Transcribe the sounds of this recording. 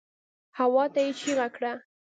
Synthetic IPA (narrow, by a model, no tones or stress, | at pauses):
hawɑt̪ajet͡ʃiɣakɽa